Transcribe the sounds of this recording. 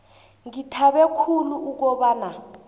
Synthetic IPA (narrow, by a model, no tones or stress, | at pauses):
ŋitʰaɓɛkʰuluːk̬ɔɓaːna